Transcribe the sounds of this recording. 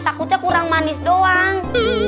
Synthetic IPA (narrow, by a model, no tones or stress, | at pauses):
t̪akut̪̚akuɾaŋmanisdɔaŋ